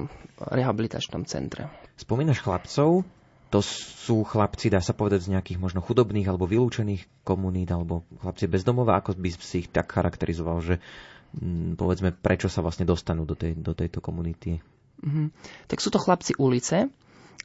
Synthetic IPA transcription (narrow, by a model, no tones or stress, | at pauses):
ɾɛɦabilit̪a̰t͡ʃnɔ̰mt͡sɛ̰nt̪ɾɛ̰spɔmiːnaʃxlapt͡sɔʊ | t̪ɔsuːxlapt͡sid̪aːsapɔʋɛd̪aɟzɲɛakiːɣmɔʒnɔxud̪ɔbniːɣalɛbɔʋiluːt͡ʃɛniːx | kɔmuniːd̪alɛbɔxlap̚t͡sɪɛbɛzd̪ɔmɔʋaakɔbisiːxt̪akxaɾʔakt̪ɛɾʔizɔʋalʒɛ | pɔ̰ʋɛd͡zmɛpɾʔɛt͡ʃɔsaʋlasɲɛd̪ɔst̪anuːd̪ɔt̪ɛd̪ɔt̪ɛjt̪ɔkɔmunit̪i | ɦm̩t̪aksuːt̪ɔxlapt͡siʔulit͡sɛ